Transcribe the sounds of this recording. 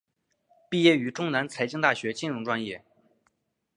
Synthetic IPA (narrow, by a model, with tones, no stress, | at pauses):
pi˥˧jɛ˥˩y˧˥ʈ͡ʂʊ˥ŋna˧˥nt͡sʰa˧˥ɪt͡ɕi˥ŋt̪a˥˩ɕɥɛ˧˥t͡ɕi˥˧nɻʊ˥ŋʈ͡ʂwa˥njɛ˥˩